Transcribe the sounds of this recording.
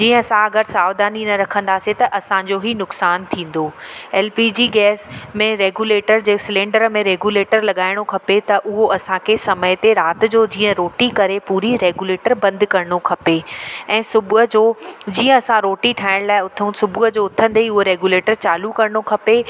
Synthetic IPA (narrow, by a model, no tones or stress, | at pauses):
d͡ʑiːə̃ɐsãɐɡəɾsaːʋd̪aːninɐɾɐkʰə̃nd̪aːset̪ɐʔɐsãd͡ʑoɦinʊksaːnt̪ʰĩːn̆d̪oːɛːlpiːd͡ʑiːɡɛːsmẽɾeːɡuːleːʈəɾd͡ʑeːsɪlẽːɳɖəɾmẽɾeːɡuːleːʈəɾlɐɠaːɪɽ̃okʰɐpet̪ɐʔʊɦoɐsãkʰesɐmət̪eɾaːt̪ɪ̆d͡ʑoːd͡ʑiːə̃ɾoːʈikɐɾepuːɾiɾeːɡuleːʈəɾbɐ̃nd̪kɐɾəɽ̃okʰɐpeɛ̃ːsʊbɦəd͡ʑoːd͡ʑiːə̃ɐsãɾoːʈiʈʰaːɪɽ̃laːɪʊt̪ʰsʊbʱʊɦəd͡ʑoːʊt̪ʰə̃n̆d̪eiʊɦoɾeːɡuleːʈəɾt͡ɕaːlukɐɾəɽ̃okʰɐpe